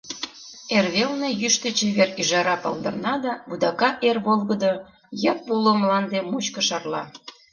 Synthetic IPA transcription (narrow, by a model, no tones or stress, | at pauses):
erβelnejyʃt̪ət͡ɕeβeryʒɑɾɑpɑ̰lˠd̪ə̰rnɑd̪ɑβud̪ɑkɑʔerβolˠɣəd̪o | jɑpulomlɑnd̪emut͡ɕkə̆ʃɑrlɑ̰